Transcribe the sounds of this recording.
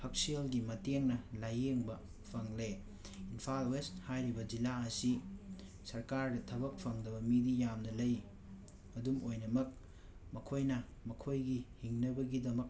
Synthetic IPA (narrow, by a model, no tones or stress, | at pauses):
pʰɐk̚sielɡimɐteŋnɐlajeŋbɐ | pʰɐŋle | inpʰalwesthajɾibɐd͡ʒilaɐsi | sɐɾkaɾdɐtʰɐbɐk̚pʰɐŋdɐbɐmidijamnɐlɐj | ɐdumojnɐmɐk̚ | mɐkʰojnɐ | mɐkʰojɡihiŋnɐbɐɡidɐmɐk̚